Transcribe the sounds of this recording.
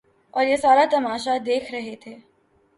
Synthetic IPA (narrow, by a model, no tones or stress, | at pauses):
ɔːɾjesaːɾat̪ɐmaːʃad̪eːkʰɾɐɦet̪ʰeː